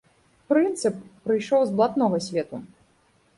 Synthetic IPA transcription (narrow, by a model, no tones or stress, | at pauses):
pɾɨnt̪sɨpːɾɨjʂɔwzblˠat̪nɔɣɐsʲvʲɛt̪u